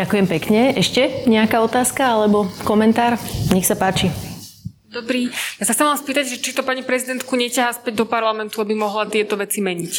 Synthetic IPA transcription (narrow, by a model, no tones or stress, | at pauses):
akujɛmpɛkɲɛɛʃcɛɲɛakaːɔt̪aːskaalɛbɔkɔmɛnt̪aːɾɲɛxsapaːt͡ʃi | d̪ɔbɾiːjasaxtt͡sɛmʋanspiːt̪aɟʒɛt͡ʃit̪ɔpaɲipɾɛzid̪ɛnt̪kuɲɛcaɦaspɛɟd̪ɔpaɾlamɛnt̪uabimɔɦlat̪ɪɛt̪ɔʋɛt͡simɛɲic